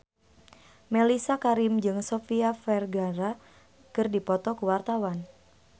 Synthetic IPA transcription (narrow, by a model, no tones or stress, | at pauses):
melisakaɾɪmd͡ʒɨŋsofiafɛrɡaɾa | kɨrdipɔt̪ɔkuwart̪awan